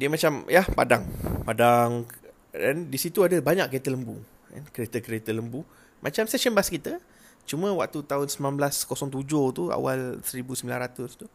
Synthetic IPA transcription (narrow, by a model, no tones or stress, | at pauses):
diəmat͡ʃamjahpa̰daŋpadaŋ | dandisit̪uadəbaɲaʔkːet̪ələmbu | a̰nkəɾet̪əkəɾet̪ələmbu | mʔat͡ʃamsɛʃənbaskit̪ə | t͡ʃumə̃wak̚t̪ut̪aɦʊnsəminanblaskɔsɔŋt̪ud͡ʒʊht̪ua̰walsəɾibusəmbilanɾat̪ʊst̪u